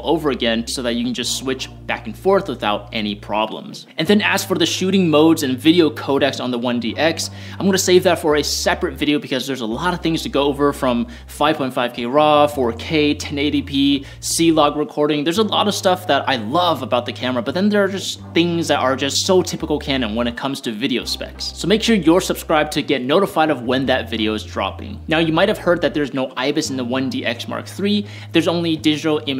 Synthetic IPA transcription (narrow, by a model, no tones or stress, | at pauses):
lˠoʊvə˞ɨɡɛ̃nsoʊðɨt͡ʃɨkn̩d͡ʒʌstswɪt͡ʃb̥æ̰kn̩fɔɹθwəθaʊɾʔɛñipʰɹ̥ɑ̰blə̰̃mz̥ɨ̃nðɨ̃næsfə˞ðɨʃʉɾɪ̃ŋmoʊdzɨ̃nvɪɾioʊkʰoʊɾɛksn̩ðəwʌ̃ndiʔɛks | ãɪ̃mɡʌ̃nɨseɪvðɨtfə˞ɨsɛpɹɨtvɪɾioʊbɨkʰʌzðə˞zəlɑɾʌv̥θɪ̃ŋz̥tʰɨɡoʊoʊvə˞fɹʌ̃m | faɪv̥ʰɔ̃ɪ̃tfaɪv̥kʰeɪɹɑfɔɹkʰeɪtʰɛ̃neɪɾipʰi | silɑɡɹɨkʰɔɹɾɪ̃ŋðə˞zəlɔ̰ɾʌv̥stʌfðəɾa̰ɪlʌvəbaʊt̪̚ðɨkʰæmə˞əbʌt̪̚ðɨ̃nðə˞ːd͡ʒʌsθɪ̃ŋzðɨɾʔə˞d͡ʒʌstsoʊtʰɪpəkl̩ˠkʰæ̃nɨ̃nwə̃ñɨt̚kʰʌ̃mz̥tʰɨvɪɾioʊspɛ̰kssoʊmeɪkʃʊɹjə˞sɨb̥skɹaɪb̚tʰɨɡɛtⁿnoʊɾəfaɪɾʌvwɨ̃nðɨtvɪɾioʊɨzdɹɑ̰pɪ̰̃ŋnaʊjɨmaɪt̚hɨv̥hɜ˞d̪̚ðɨt̪̚ðə˞znoʊʔaɪbɨsn̩ðəwʌ̃ndiʔɛksmɑ̰ɹk̚θɹi | ðə˞zõʊ̃nlidɪd͡ʒɨɾl̩ˠɪ̃m